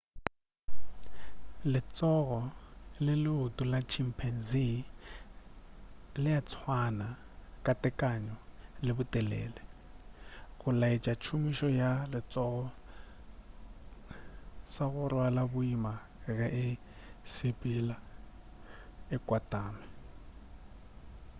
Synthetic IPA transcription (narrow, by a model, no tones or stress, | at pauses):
lɪt͡sʼɔɣɔlɪlɪʊtʼʊlat͡ʃʰim̩pʰɛn̩zi | lɪat͡sʰwana | kʼatʼɛkʼaɲɔlɪbʊtʼɛlɛ̰ːlɛ | ɣʊlait͡ʃʼat͡ʃʰumiʃɔjalɪt͡sʼɔɣɔ | saɣʊrwalabʊima | ɣɛʔɪ | sɪpʼila | ɪkʼwatʼaːmɪ